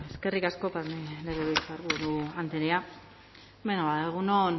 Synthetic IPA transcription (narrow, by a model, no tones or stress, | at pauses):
eske̞rikasko̞paɾneleɾeβit͡saɾβuɾuant̪eɾea | benoβaðeɣunon